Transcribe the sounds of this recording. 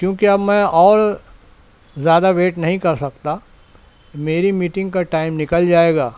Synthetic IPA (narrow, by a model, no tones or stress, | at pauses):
kjõːkiɐbmɛ̃ɔːɾ | zjaːd̪aʋeːʈnɐɦĩkɐɾsɐkt̪a | meːɾimiːʈɪ̃ŋɡkaʈaːɪmnɪkəld͡ʒaːeːɡaː